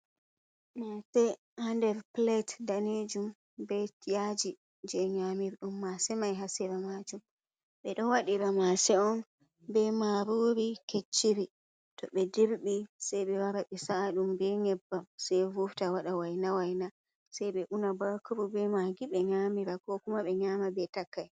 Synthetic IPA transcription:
masɛ | handɛɾplɛtdaned͡ʒum | bɛtijad͡ʒi | d͡ʒɛɲamiɾɗumːasɛmajɦasiɾamad͡ʒum | ɓɛɗɔwaɗiɾamasɛɔn | bɛmaɾoːɾiket͡ʃːiɾi | tɔɓɛdeɾɓisajɓɛwaɾaɓɛsaːɗumbɛŋɛbːamsɛjvuftawaɗawajnawajna | sajɓɛʔunabakuɾubɛmaɡiɓɛɲamiɾakɔkumaɓɛɲamabɛtakːaj

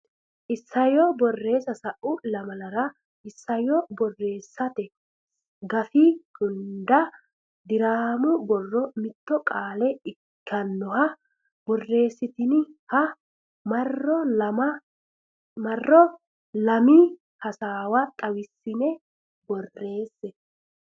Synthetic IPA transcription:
ʔɪsːɐjɔbɔrːe̞ːsɐsɐʔʊlɐmɐlɐɾɐ | ʔɪsːɐjɔbɔrːe̞ːsːɐt̪ɛ | ɡɐfiɡ̥ʊnd̪ɐ | d̪ɪɾaːmʊbɔrːɔmɪt̪ːɔkʼaːlɛɪ | kʰːɐnːɔhɐ | bɔrːe̞ːsːɪt̪ɪnɪhɐ | mɐrːɔlɐmɐ | mɐrːɔ | lɐmi | hɐsaːwat̪ʼɐwɪsːɪnɛ | bɔrːe̞ːsːɛ

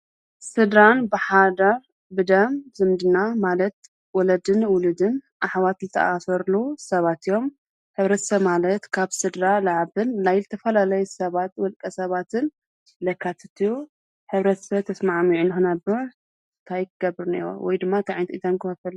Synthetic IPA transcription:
sɨd̪ɾanbɨħad̪aɾ | bɨd̪ɐmzɨmd̪ɨnamalɐt̪̚ | wɔlɐd̪ɨnwʊlɨd̪ɨnʔaħwat̪zɨt̪ʰɐ̰ʔasɐɾlusɐβat̪ijo̞m | ħɨβɾɐt̪sɐβmalɐt̪kʰaβsɨd̪ɾalaʕaβɨnːajlɨt̪ʰɐfɐlalɐjusɐβat̪wɔlkʼɐsɐβat̪ʰɨn | lɐkʰːat̪ʰɨt̪ʰiju | ħɨβɾɐt̪sɐβt̪ʰɐsmaʕmiʕunɨxɨnɐbɨɾ | t̪ʰajkɨɡɐbɨɾnḛɾo̰wʔɔjd̪ɨmːat̪ʰaʕajnt̪ʼit̪ʰɐmkʰafɐl

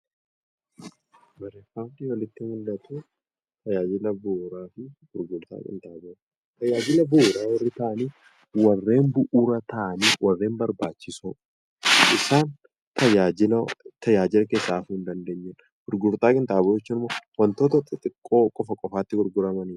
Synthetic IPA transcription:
bɐɾefaːmt̪iːwɐlɪt̪ːɪmʊld̪ɐt̪uː | t̪ɐjaːd͡ʒɪlɐboːɾaːfɪɡ̥ʊɾɡʊɾt̪a̰ːkʼɪ̰nt̪aːbo | t̪ɐjaːd͡ʒɪlɐboːɾaːwɔrːɪt̪ɐʔɐniː | wɐrːe̞ːnbʊʔuːɾɐt̪ɐʔɐniːwʔɐrːe̞ːmbɐɾbaːt͡ʃːɪso | ʔɪsaːn | t̪ɐjaɪt̪ɐjaːd͡ʒɪlɐke̞ːsːaːfhʊnd̪ɐnd̪eːɲːɛn | ɡ̥ʊɾɡʊɾt̪aːkʼɪnt̪aːbod͡ʒɛt͡ʃːuːnɪmːoːwɐnt̪oːt̪ɔt̪ːɐt̪ʼɪkʼːo̞ːkʼɔfɐkʼɔfaːt̪ːɪɡʊɾɡʊɾɐmɐniːɾ

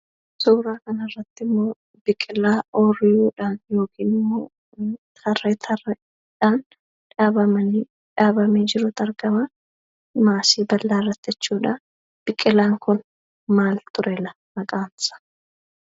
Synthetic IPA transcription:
suːɾaːkɐnɐrːɐt̪ːɪmːoː | b̥ɪkʼːɪlːaːoːrɪjuːᶑaːnjo̞ːkiːnɪmːoː | t̪ʰɐrːet̪ʰɐr | ᶑaːn | ᶑaːbɐmɐni | ᶑaːbɐmeːd͡ʒɪɾʊt̪ɐɾɡɐma | maːsiːbɐlːaːɾɐt̪ːɛt͡ʃːuːᶑɐ | b̥ɪkʼːɪlaːŋkʊn | maːlt̪ʊɾɛlɐ | mɐkʼaːnsɐ̥

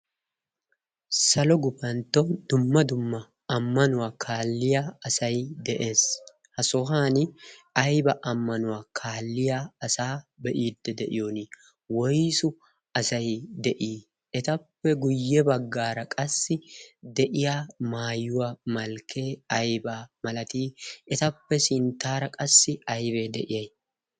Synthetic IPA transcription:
sɐlɔɡʊpɐnt̪ːɔd̪̥ʊmːɐd̪ʊmːɐ | ɐmːɐnʊwaːkʰaːlːɪjaːɐsɐjd̪ɛʔe̞ːs | hɐsɔɦaːnɐjbɐʔɐmːɐnʊwaːkʰaːlːɪjaːɐsaːbɛʔiːd̪ːɛd̪ɛʔɪjoːnɪ | wɔjsʊ | ɐsɐjd̪ɛʔiː | ʔɛt̪ɐpːɛɡʊjːɛbɐɡːaːɾɐkʼɐsːɪd̪ɛʔɪjaːmaːjʊwɐmɐlkʰe̞ːɐjbaːmɐlɐt̪iːɛt̪ɐpːɛsɪnt̪aːɾɐkʼɐsːɪɐjbe̞ːd̪ɛʔɪjɐj

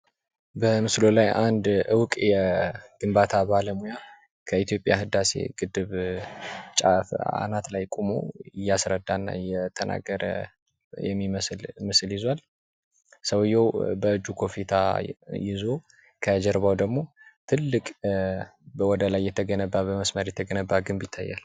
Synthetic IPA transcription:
bəmɨslo̞lajand̪ʔɨwkʼjɛɡ̥ɨmbat̪ʰabaləmuja | kʰəit̪ʰijo̞pʼjaɦɨd̪asḛɡɨd̪ɨβ | t͡ʃʼa̰fa̰nat̪lajkʼumo̰ɪjːasɾəd̪anːa̰jɛt̪ʰənʔa̰ɡəɾə̰ | jɛmːiməslmɨsljɪzwal | səwɨjːɛwbəɨd͡ʒːukʰo̞fit̪ʰa̰jɪzo̞ | kʰəd͡ʒɛɾβawd̪əɡmo̞t̪ʰɨlːɨkʼ | bəwɔd̪əlajːɛt̪ʰːəɡənəbːabəməsməɾjɛt̪ʰəɡənəbːaɡɨmbjɪt̪ʰːajːa̰l

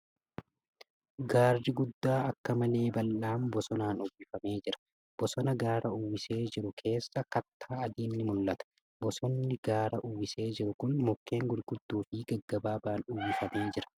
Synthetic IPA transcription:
ɡaːrːɪɡʊd̪ːaːɐkːɐmɐle̞ːbɐlːaːmbɔsɔnaːnʊbɪfɐme̞ːd͡ʒɪɾɐ̥ | b̥ɔsɔnɐɡaːɾɐʊwɪse̞ːd͡ʒɪɾʊkʰe̞ːsːɐkɐt̪ʰːaːɐd̪iːnːɪmʊlːɐt̪ɐ̥ | bɔsɔnːɪɡaːɾɐʔʊwɪse̞ːd͡ʒɪɾʊkʊnmɔkːe̞ːŋɡʊɾɡʊd̪ːuːfɪɡɐɡːɐbaːbaːnʊwɪfɐme̞ːd͡ʒɪɾɐ̥

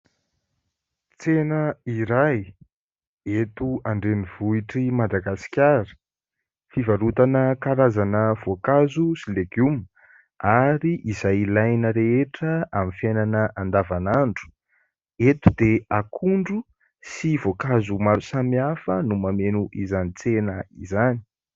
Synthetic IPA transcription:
t͡senəiɾaj | et̪uaɳɖ͡ʐeniv̥uiʈ͡ʂimad̪aɡasi̥kʲaɾi̥ | fivaɾut̪anəkaɾazanəv̥okazusileɡum | aɾiʔizajlajnəɾeeʈ͡ʂəamifjajnanəʔand̪avanaɳɖ͡ʐu̥ | et̪ud̪eakʰuɳɖ͡ʐu | sivokazumaɾusamiafənumamenuʔizanit͡senəizani̥

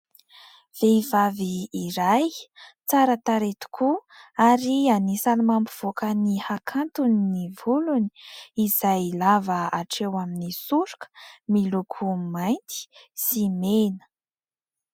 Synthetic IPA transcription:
v̥eivaviːɾajt͡saɾət̪aɾet̪u̥kʰuaɾianisalmampuv̥okənihakʰant̪uninivuluni̥iz̥ajlavəaʈ͡ʂewaminisuɾu̥kə̥milukʰumajnt̪i̥simenə̥

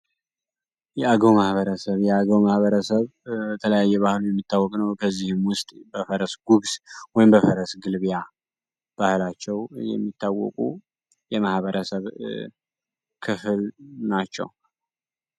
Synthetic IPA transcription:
jɛaɡəwmahβəɾəsəβjɛaɡəwmahβəɾəsəβbət̪ʰələjajːɛβahlujɛmːit̪ʰːawːɔkʼnəwkʰəzːihɨmwʊst̪ʼbəfəɾəsɡuɡswɔjɪmbəfəɾəsɡɨlβja | b̥ahlat͡ʃːɛwjɛ̰mːit̪ʰːawːɔ̰kʼṵ | jɛmahβəɾəsəβ | kʰɨfɨlnat͡ʃːɛ̰w

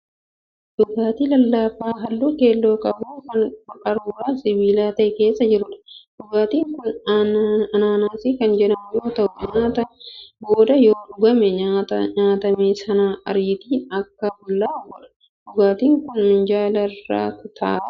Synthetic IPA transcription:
d̥ʊɡaːt̪iːlɐlːaːfaːɦɐlːuːke̞ːlːo̞ːkʼɐbuːkɐnʊkʼɐɾuːɾaːsɪbiːlaːt̪ɐʔɛke̞ːsːɐd͡ʒɪɾʊᶑɐ̥d̥ʊɡaːt̪iːŋkʊn | ɐnaːnaːsiːkɐnd͡ʒɛᶑɐmʊjo̞ːt̪ɐʔʊɲaːt̪ɐboːd̪ɐjoːd̪ʊɡɐmɛɲat̪ɐɲaːt̪ɐmeːsɐnaːʔɐɾɪt̪iːnɐkːɐbʊlːaːbɐᶑɐ̥ | d̪̥ʊɡaːt̪iːŋkʊnmɪnd͡ʒaːlɐrːa̰ːkʊt̪ʰa̰ː

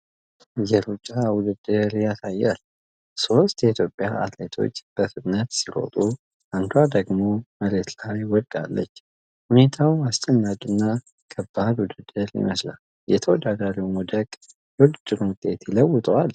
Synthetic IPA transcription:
jɛɾut͡ʃʼːawʊd̪ɨd̪ːɨɾjasajːal | so̞st̪jɛit̪ʰjo̞pʼːjaʔa̰t̪let̪ʰo̞̰t͡ʃːb̥əfɨt̪ʼnət̪siɾo̞̰t̪ʼu | ʔand̪ad̪əɡmo̞məɾet̪lajwɔd̪ɡ̪a̰lːə̰t͡ʃː | hune̞t̪ʰawast͡ʃʼɛnːakʼɨnːa | kʰəbːad̪wʊd̪ɨd̪̥ːɨɾjɪ̰məsla̰l | jɛt̪ʰəwɔd̪ad̪aɾiwmɔd̪əkʼ | jɛwud̪ɨd̪̥ːɨɾwʊt̪ʼːe̞t̪jɪləwːʊt̪ʼəwal

